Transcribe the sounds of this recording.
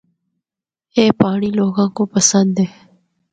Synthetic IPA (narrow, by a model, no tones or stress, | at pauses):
eːpaːɽ̃iloːɡãːkoːpɐsənd̪eː